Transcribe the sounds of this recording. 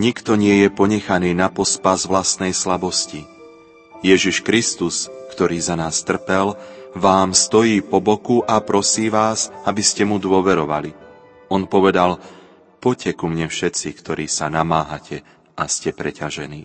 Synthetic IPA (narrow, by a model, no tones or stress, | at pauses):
ɲikt̪ɔɲɪɛjɛpɔɲɛxaniːnapɔspazʋlast̪nɛjslabɔsci | jɛʒiʃkɾist̪uskt̪ɔɾiːzanaːst̪r̩pɛlʋaːmst̪ɔjiːpɔbɔkuʔapɾɔsiːʋaːzabiscɛmud̪ʊɔʋɛɾɔʋa̰li | ɔnpɔʋɛd̪al | pɔcɛkumɲɛfʃɛt͡sikt̪ɔɾiːsanamaːɦacʰɛ | ʔascɛpɾɛcaʒɛ̰niː